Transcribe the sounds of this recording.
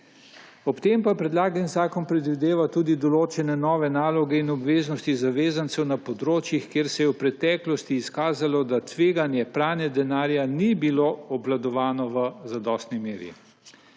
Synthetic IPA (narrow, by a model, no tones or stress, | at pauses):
ɔpt̪eːmpapɾɛd̪laːɡənzaːkɔnpɾɛd̪ʋid̪eːʋat̪uːd̪id̪ɔloːt͡ʃɛnɛnɔːʋɛnaːlɔɡɛinɔbʋeːznɔst̪izaʋeːzant̪sɛwnapɔd̪ɾoːt͡ʃjixkjeːɾsɛjɛwpɾɛt̪ɛːklɔst̪iːskaːzalɔd̪at̪ʋeːɡanjɛpɾaːnɛd̪ɛnaːɾjanibiloɔblad̪ɔʋaːnɔʋəzad̪ɔːst̪nimeːɾḭ